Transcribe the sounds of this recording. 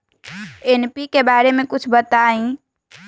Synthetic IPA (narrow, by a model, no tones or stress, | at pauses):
enpikebaːɾemẽkʊt͡ʃʰbət̪aːĩ